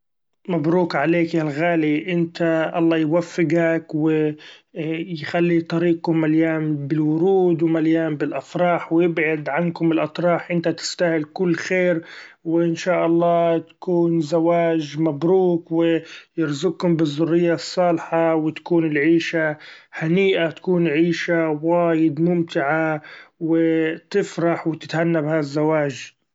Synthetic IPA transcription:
mabɾuːkʕaleːkjalɣaːliʔɪnt̪aʔɑ̰lˤːɑːjwafːɪɡakwɪ | jxalːit̪ˤɑɾiːqʊmːaljaːnbɪlwʊɾuːd̪wmaljaːmbɪlʔɑfɾˤɑːħwjɪbʕad̪ʕankʊmɪlʔɑt̪ˤɾˤɑːħʔɪnt̪at̪ɪ̥st̪ahɪlkʊlːxeːɾwɪʔɪnʃaːʔɑlˤːɑːt̪ḁkuːnzawaːʒmabɾuːkwɪjɪɾzʊkhʊmbɪzˤːʊrːɪjːasˤːɑːlħawɪt̪ḁkuːnɪlʕiːʃahaniːʔat̪ḁkuːnʕiːʃawaːjɪd̪mʊmt̪ɪʕawɪt̪ɪfɾˤɑħwɪt̪ɪ̥t̪hanːabhazːawaːʒ

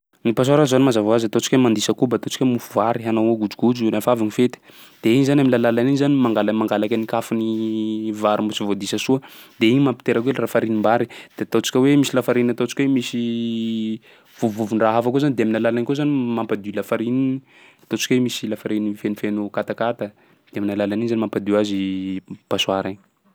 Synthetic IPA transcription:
nipas̬aɾanzanimazavoazat̪ot͡sikʲwemand̪isəkubat̪ot͡ʃi̥kemufuvaɾiɦanooɡud͡ʒuɡud͡ʒulafavinifet̪i̥d̪̥eiɲizanaminlalalaninizanimaŋɡalamaŋɡalakʲanikafuni | vaɾumbut͡sivod̪isəsuəd̪̥eiɲimampi̥t̪eɾakuelrafaɾinimbaɾid̪̥eat̪ot͡si̥kʲəwemisilafaɾinat̪ot͡si̥kʲwemisi | v̥uvuvunraɦafakozanid̪eaminalalankozanimampad̪ulafaɾinini | at̪ot͡si̥kʲwemisilafaɾinifenufenukat̪akat̪a | d̪̥eaminalalaninizanimampad̪uazib̥asuaɾaɲ

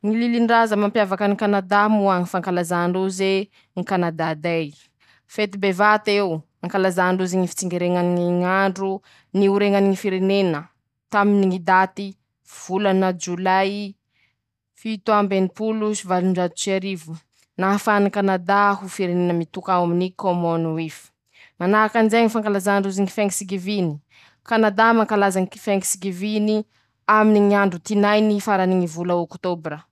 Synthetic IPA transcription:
ŋililiɳɖ͡ʐazəmampjavakənikanad̪amuaŋifaŋkalazaːɳɖ͡ʐoze | ŋikanad̪ad̪aj | fet̪ibevat̪ew | aŋkalazaɳɖ͡ʐezeŋifi̥t͡siŋɡeɾeŋaniŋaɳɖ͡ʐu | niuɾeŋaniŋifiɾenenə | t̪aminiŋid̪at̪i | v̥ulanəd͡ʒulaj | fit̪uambenipulusivaluɳɖ͡ʐat̪u̥t͡ʃaɾivu̥ | nafanikanad̪aɦufiɾenenəmit̪ukaaminikomonifi̥ | manaakanzeŋifaŋkalazanɳɖ͡ʐuziŋi̥fɛŋɡisiɡivini̥ | kanad̪amaŋkalazaŋiki̥feŋi̥siɡivini | aminiŋiaɳɖ͡ʐut̪inajnifaɾaniŋivuləokt̪obɾə

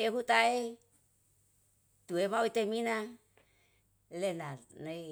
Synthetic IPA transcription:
eɦut̪ae | t̪uemauit̪emina | lenana

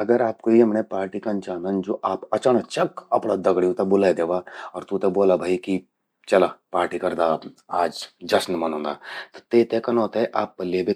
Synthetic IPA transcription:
ɐɡəɾaːpkoiɐmnepaːɾʈikɐnt͡ʃaːnənd͡ʒoːʔaːpɐt͡ʃaɳat͡ʃɐkɐ̰pɽad̪ɐɡɽiũt̪ɐbʊlaːid̪eːʋaːɔːɾt̪ut̪eboːlabʱaːiki | t͡ʃɐlapaːɾʈikɐɾd̪aaːd͡ʒd͡ʒɐsnmɐnõːnd̪aːt̪ɐ̥t̪eːt̪ekɐnoːt̪eʔaːpːɐliebʱi

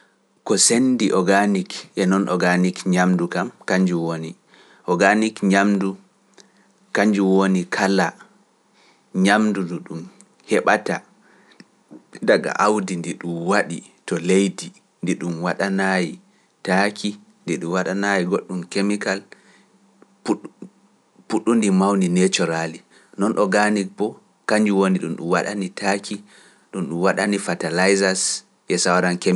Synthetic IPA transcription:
kɔsendiʔɔɡanikʔɛnɔnʔɔɡanikɲamdukamkaɲd͡ʒuwoni | ʔɔɡanikɲamdu | kaɲd͡ʒuwonikʰala | ɲamduduɗum | hɛɓata | daɡa̰ʔawdindiɗumwaɗḭtɔlejdi | ndiɗumwaɗanaji | takʰi | ndiɗumwaɗanajiɡoɗːumkemikal | puɗːundimawninet͡ʃɔɾali | nɔnʔɔɡanipɔ | kaɲd͡ʒuwoniɗumɗṵmwaɗa̰nitʰakʰi | ɗumɗumwaɗanifatalajzas | ʔɛsawaɾanke

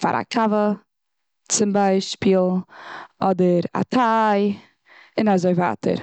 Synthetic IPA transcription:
fa̰ɾʔa̰kʰavə | t͡sɪmbaɪʃpiːlˠ | ɔdəɾa̰tʰaj | ɪnazoɪva̰ːtʰə̰ɾ

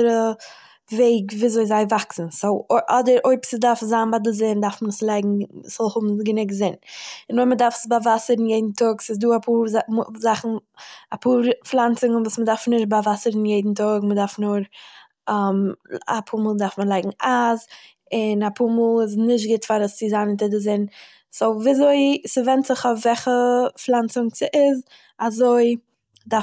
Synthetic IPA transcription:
ɾə | veɪɡviːzoɪzaɪvaksn̩soʊʔɔdəɾoɪpsɪdaɾfzanbadɪzɪndaɾfmənəslˠaɪɡŋ̩sz̥ɔlˠhʊbm̩ɡənɪɡzɪnɪnoɪmədaɾfə̥sbavasəɾnjeɪdn̩tʰɔksɪsduːapʰuːɾzamuzaχn̩apʰuːɾflˠant͡sɪŋənvuːsmədaɾfnɪʃbavasəɾn̩jeɪdn̩tʊɡmədaɾfnʊɾ | ɛma̰pʰuːɾmuːlˠdaɾfməlˠaɪɡŋ̩az | ɪnapuːɾmuːlˠɪs̬nɪʃ̬tɡɪtfaɾəst͡sɪzanɪntɪdɪzɪn | sɔviːazoɪsɪvɛntzɪχavɛχəflˠant͡sʊŋt͡sɪʔɪz | azoɪ | da

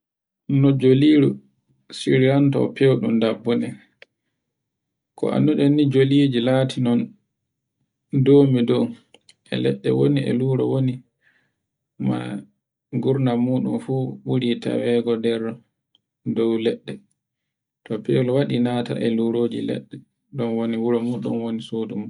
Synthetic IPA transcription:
nɔd͡ʒoliɾu | siɾiɾantapewɗumdabːɔnɛ | kɔ̰ʔa̰nːuɗɛnːid͡ʒolid͡ʒilaːtinɔn | doːmidɔw | ʔɛ̰lɛ̰ɗːɛ̰woniɛ̰luːɾɔ̰woni | ma̰ | ɡuɾnamuːɗumfuːɓuɾita̰wɛɡɔdɛɾɔ | dɔwlɛɗːɛ | tɔpewlwaɗinata̰ʔɛluɾoːd͡ʒḭlɛ̰ɗːɛ | ɗɔnwoniwuɾɔmuɗṵnwonisoduma

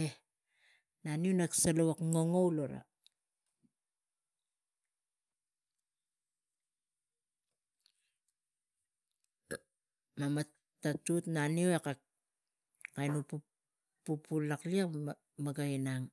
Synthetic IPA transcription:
e | nanionaksalowakŋo̞ŋo̞wloɾa̰ | mama | tatutnanioeka | kajnupu | pupulaklia | maɡainaŋ

